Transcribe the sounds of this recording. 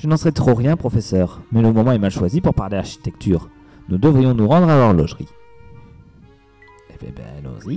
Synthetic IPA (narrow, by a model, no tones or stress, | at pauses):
ʒ̥ənɑ̃səʁɛt̪χoʁjɛ̃pχɔfɛsœːʁmɛləmɔmɑ̃ɛmalʃwazipuʁpaʁleaʁʃi̥t̪ɛkt̪ʰyːʁ | nud̪əvʁijɔ̃nuʁɑ̃d̪ʁalœʁlɔʒʁi | ebḛbɛ̰̃no̰zi